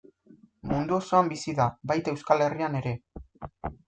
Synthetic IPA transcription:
mund̪uoso̞ambisiðaβajt̪e̞wskale̞riane̞ɾe̞

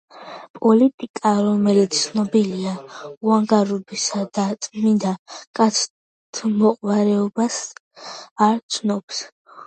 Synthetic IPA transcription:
pʼɔlit̪ʼikʼaɾɔmɛlit̪sʰnɔbiliauaŋɡaɾɔbisad̪at̪ʼmind̪akʼat̪sʰ | t̪ʰmɔqʼwaɾɛɔbas | aɾt̪sʰnɔps

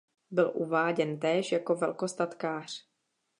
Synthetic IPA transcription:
bɪlʔuvaːɟɛnt̪ɛːʃjako̞vɛlko̞st̪at̪kaːr̝̥

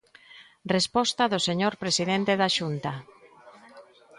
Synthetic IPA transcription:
respɔst̪ɐðoseɲoɾpɾesiðent̪eðaʃunt̪a

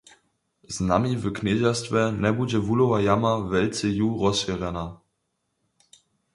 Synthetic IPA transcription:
znamivəkned͡ʑastvɛnɛbud͡ʑɛvulɔvajamavɛlt͡sɛjuʁɔsvʲɛʁɛna

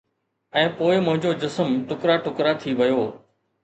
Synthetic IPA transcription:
ɛ̃ːpoːɪmʊ̃ɦɪ̃ɲd͡ʑod͡ʑɪsəmʈʊkɾaʈʊkɾat̪ʰiʋɐjoː

